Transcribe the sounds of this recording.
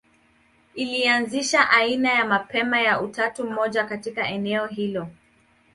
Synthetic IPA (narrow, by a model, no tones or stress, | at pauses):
ilianziʃaʔainajamapɛmajautatum̩mɔʄakatikaɛnɛɔɦilɔ